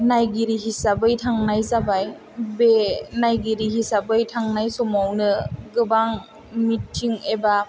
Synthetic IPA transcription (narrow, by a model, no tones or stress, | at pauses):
najɡiɾiɦisabɯjtʰaŋnajzabaj | benajɡiɾiɦisabɯjtʰaŋnajsɔmawnɯɡɯbaŋ | mitʰːiŋeba